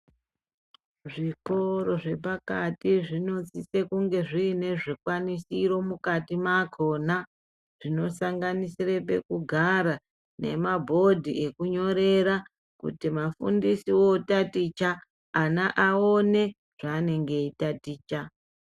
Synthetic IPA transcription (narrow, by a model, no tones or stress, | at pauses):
ʐiko̞ɾo̞ʐe̞pakatiʐino̞t͡sisekuŋɡe̞ʐiːne̞ʐikwanisiɾo̞mukatimakʰo̞ːna | ʐ̥ino̞saŋɡanisirep̬e̞kuɡʱaɾa | ne̞̰mabʱo̞dʱiʔe̞kuɲo̞ɾe̞ɾa | kṵtimafṵndisiwo̞tatit͡ʃaː | naʔaone̞ | ʐ̥aːne̞ŋɡe̞itatiːt͡ʃa